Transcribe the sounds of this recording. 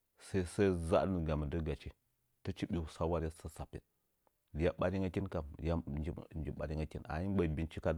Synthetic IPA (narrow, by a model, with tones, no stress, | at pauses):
sa˦i˦sa˦za̰˦nə˨ɡa˨mi˨də˦ɡa˨t͡ʃi˦ | tə˦t͡ʃi˦ɓi˨wu˨sa˦wa˦ɾa˦sə˦sa˨pḛ˨ | li˨ja˦ɓa˦ɾi˦ŋa˦kʲi˦nka˨mja˦d͡ʒi˦nd͡ʒi˨ɓa̰˨ɾi˦ŋa˦ki˦na̰˨˦i˦n˦ba˨bi˦nt͡ʃi˦ka˦